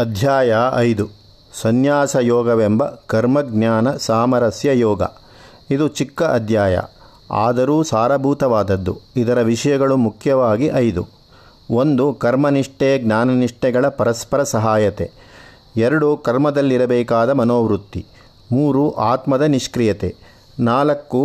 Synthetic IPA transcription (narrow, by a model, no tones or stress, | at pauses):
ɐd̪ʱjaːjɐɐjd̪u | sɐnjaːsɐjɔːɡɐʋembɐkɐɾmɐɡnjaːnɐsaːmɐɾɐsjɐjɔːɡɐ̰ | id̪ut͡ʃikːɐʔɐd̪ʱjaːjɐ̰ | a̰ːd̪ɐɾuːsaːɾɐbʱuːt̪ɐʋaːd̪ɐd̪ːuid̪ɐɾɐʋiʂɐjɐɡɐɭumukʰjɐʋaːɡiʔɐjd̪u | ond̪ukɐɾmɐniʂʈɛjɐɡnaːnɐniʂʈɛɡɐɭɐpɐɾɐspɐɾɐsɐɦaːjɐt̪e | ɛɾɐɽukɐɾmɐd̪ɐlːiɾɐbɛːkaːd̪ɐmɐnoːʋɾut̪ːi | muːɾuʔaːt̪mɐd̪ɐniʂkɾijɐt̪ḛ | naːlɐkːu